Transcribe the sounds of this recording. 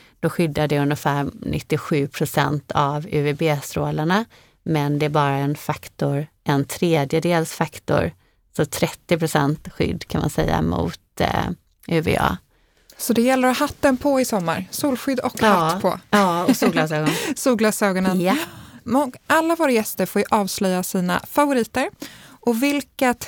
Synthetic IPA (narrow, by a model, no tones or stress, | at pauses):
d̪̥ɔɧʏd̪ːaɖɛɵnjəfæːɾnʔɪ̰t̪ːɪɧʉ̟ːpʰɾʊsɛ̰nt̪ʰavʉːvebeːst̪ɾoːlaɳa | mɛnd̪ɛæɾbɑːɾaɛnfakt̪ʊɾʔɛnt̪ʰɾeːd̪jəd̪eːlsfakt̪ʊ̰ɾ | sɔt̪ʰɾɛt̪ːɪpʰɾʊsɛnt̪ɧʏ̰d̪ːkʰanma̰nsɛ̰jːa̰mʊ̰ːt̪ | ʔʉvɛ̰ɑ̰ː | sɔd̪ɛjɛlːəɾɔhat̪ːənpʰɔɪsɔmːa̰ɾsuːlɧʏd̪ːɔkːapʰɔ̰ɑːsuːɡlɑsɛːɡɔnsuːɡlɑsøːɡɔnənj | ɔʔalːavoːɾajɛst̪əɾfoːɾjɵʔɑːvslœjːasiːna̰favʊɾiːt̪əɾʔɔvɪlka